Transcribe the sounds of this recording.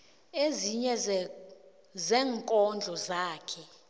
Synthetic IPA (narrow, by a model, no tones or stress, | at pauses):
eziɲɛ | zɛːŋkʼɔnd͡ɮʱɔzaːkʰɛ